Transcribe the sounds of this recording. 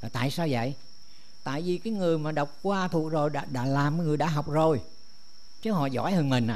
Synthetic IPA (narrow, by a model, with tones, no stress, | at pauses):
a˨˩t̪a̰ː˧˨jsaː˧wzə̰˧˨j | t̪a̰ː˧˨jvi˨˩kaː˨˦jŋɨ˨˩əjmaː˨˩ɗə˨˩wk͡p̚kwaː˧t̪ʰu˨˩ək̚zo˨˩jɗa̰˧ɗa̰ː˧˥laː˨˩mkaː˨˦jŋɨ˨˩əjɗa̰ː˧˥ɦa˨˩wk͡p̚zo˨˩j | t͡ɕə˨˦ɦɔ̰˧˨zɔ̰˧˥jhə˨˩nmï˨˩ŋ̟ʔa̰ː˧